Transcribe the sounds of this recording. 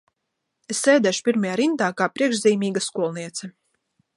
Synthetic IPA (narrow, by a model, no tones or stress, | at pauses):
esːɛːd̪ɛʃu̥piɾmajaːɾint̪aːkaːpɾiɛkʃziːmiːɡaskuɔlˠniɛt̪sɛ